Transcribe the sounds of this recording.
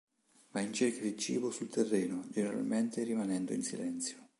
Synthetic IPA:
maint͡ʃerkad̪it͡ʃḭːbosult̪erːeːnod͡ʒeneɾa̰lment̪eɾimanɛnd̪o̰insḭlɛnt̪sjo̥

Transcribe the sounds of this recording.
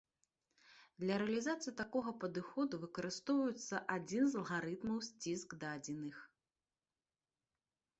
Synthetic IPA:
d̪lʲɐɾɛɐlʲizat̪sɨjit̪akɔɣɐpɐd̪ɨxɔd̪uvɨkɐɾɨst̪ɔwvɐjut̪sːɐʔad͡zʲinzɐlˠɣaɾɨt̪mɐwsʲt͡sʲisɡd̪ad͡zʲɛnɨx

